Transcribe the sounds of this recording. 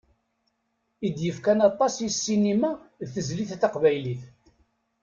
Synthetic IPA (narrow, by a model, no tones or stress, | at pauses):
id̪jəfkænɑt̪ˤːɑsisːinimæðθəzliθθɑqvæjliθ